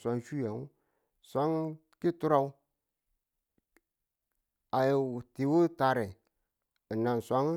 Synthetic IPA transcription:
sʷa˨˦ŋ˦ʃu˦ja˨ŋ˦ | sʷa˦ŋ | ki˦tu˦ɾa˦wu˦ | a˨te˨wo˦ta˨ɾɛ˨ | na˨sʷa˦ŋ˦

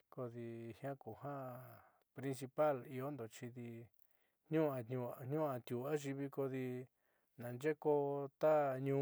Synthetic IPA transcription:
ko˧ði˧hj̃ã˦ku˨hã˦ | pɾĩ˧ns̬i˧pa˦˨li˧o˦nd̪o˨t͡ʃi˧ði˧ | ɲ̥ũ˦ã˧ũ˧ɲ̥ũ˦ã˧t̪ju˨a˦ʒi˧βi˧ko˧ði˧ | nã˨nd͡ʒe˦ko˧t̪a˦ɲũ˧˦

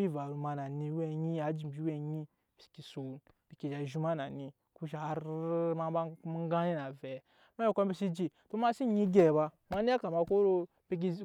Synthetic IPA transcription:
i˦va˨ɾu˨ma˨na˨ni˨we˦˨ɲi˦a˨˦d͡ʒi˨bi˦we˦ɲi˦ | bi˨si̥˨ki˨so˨nb̥i˨ki˨d͡ʒa˨ʒu˦ma˦na˨ni˨ | ku˦ʃa˨˦ɾma˦ba˦ma˦ɡã˦ni˦na˨vɛ˨ | ma˦i˦˨ko˦bi˦si˦d͡ʒi˨to˦ma˦si˦˨ɲi˦ɡe˨ba˧ | ma˦ni˦a˦ka˨ma˧ko˦ɾo˦ | bi˦k̬i˦

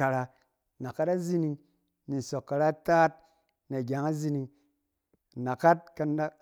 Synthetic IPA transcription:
a˨ɾa˧ | na˨ka˦ta˦zi˧ni˧ŋ | ni˨n̩˨so˨kːa˨ɾa˦taː˦t̚ | na˨ɡʲa˨˦ŋa˦zi˧ni˧ŋ˨ | na˨ka˦t̚ka˧na˦

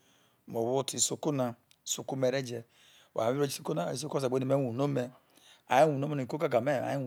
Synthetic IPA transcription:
mo˨wu˦ti˨˦su˦ku˦na˨˦ | su˦ku˦me˨ɾe˦d͡ʒe˨ | wa̰˨i˦ɾo˦d͡ʒi˦so˦ko˦na˦˨i˦s̬o˦ks̬a˨e˦ni˨me˦wu˨no˦me˨ | a̰˨ji˦wu˨no˦me˦no˨i˨ko˦ka˦ɡa˨me˦˨a̰˨i˦˨

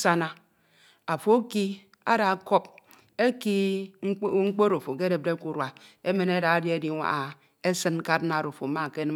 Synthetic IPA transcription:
sa˦na˨ | a˨fo˦ki˦ | a̰˦da˨˦ko˦p̚ | e˦ki˦ | ŋŋ͡m̩˦k͡po˦ɾo˨fo˨ke˦de˨p̚de˦ku˨ɾwa˨e˦me˨ne˦da˨a˦dje˦di˦ŋʷa̰˨ʔa˨ | e˦sɨ˦n̩˦ka˦tna˨ɾo˨fo˨˦ma˦˨ke˦n˦

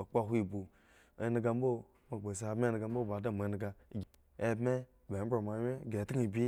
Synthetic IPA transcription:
o˨k͡pa˦ɦʷi˨bu˨ | ḛ˨˦n˦ɡa˧m̩bo˦ | ma˨ɡ͡be˨se˨a˨bme˦n˨ɡa˨m̩˦bo˦˨ba˨da˦˨ma˨˦n˨ɡa˨ɡ | e˦bme˦˨ | be˨m̩˦bɾo˨ma˨˦e˦˨ɡe˨ti˦ŋ˦i˨bʲi˦

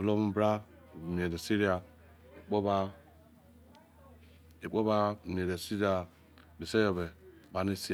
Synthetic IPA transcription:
lo˦mu˦bɾa˦˨ | m˨e˨de˨si˦ɾi˦a˨ | i˨k͡po˦ba˦ | i˨k͡po˦ba˦˨m˨e˨de˨si˦ɾi˦a˨ | be˨se˦jo˨be˨ba˨ne˦si˦˨

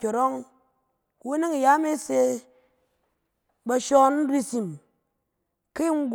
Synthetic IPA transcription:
o˨ɾo˦ŋ˨ | wu˦ni˦ŋi˨ja˦me˦se˧ | ba˧ʃɔ˦n̩˦ɾi˦si˨m | ki˦ŋ̩˦ɡ

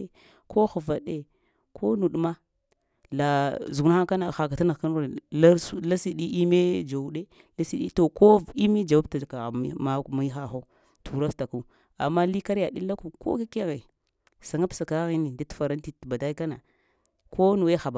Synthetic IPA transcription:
ko˦xu˨va˨ɗe˦ | kʰo˦nu˨ɗma˦ | la˨zu˨ɡna˦a˦ka˦na˨xa˨ka˨ta˦na˨ka˦n˦˨la˦la˦si˦ɗi˦i˦me˦d͡ʒa˨u˦ɗe˦ | la˦si˦ɗi˦to˨ko˦i˦mi˦d͡ʒa˨wa˦bta˨ka˨˦ma˦˨mi˦xa˦xo˦ | tʰu˨ɾa˦fta˨ku˦ | a̰˨mːa˦li˦ka˦ɾja˨ɗi˦la˦ku˨ko̰˦ke˦ke˦ɣe˨ | sa˨ŋa˦psa˨ka˦ɣi˦ni˨da˦tfa˨ɾa˦nti˦˨tba˨da˦i˦ka˦na̰˨ | kʰo˦nu˨we˦xa˨ba˨

